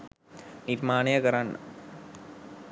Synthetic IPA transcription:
niɾmaːnɐjɐkɐɾanːɐ̰

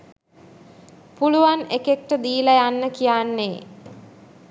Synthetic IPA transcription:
puluʋanekek̚ʈəd̪iːləjanːəkijanːeː

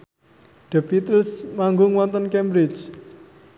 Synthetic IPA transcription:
ɖ̥ə̤pit̪əlsmaŋɡʊŋwɔnt̪ənkɛmbɾɪt͡ʃ

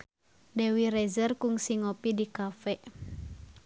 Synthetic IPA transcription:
dewiɾɛzərkuŋsiŋopidikafɛ

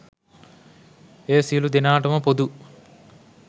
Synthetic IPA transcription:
eːsilud̪inaːʈɐmɐpod̪u

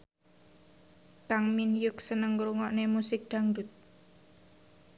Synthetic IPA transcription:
t̪aŋminjʊk̚sənəŋɾuŋɔʔnemusɪk̚d̪̥ä̤ŋdut̪̚

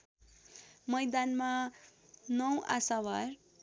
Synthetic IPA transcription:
mʌjd̪anma | nʌwa̰sawar

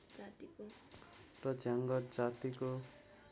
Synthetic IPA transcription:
d͡zat̪iko | rʌd͡zaŋɡʌrd͡zat̪iko

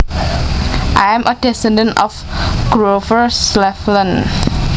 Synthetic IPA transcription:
ʔajɛ̃mʔədɛsɛ̃ndə̃ntɔfɡ̥ɹovəslɛflə̃n

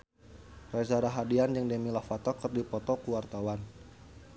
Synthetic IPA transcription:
razaɾaɦadiand͡ʒəŋdemilafat̪ɔkɨrdipɔt̪ɔkuwart̪awan

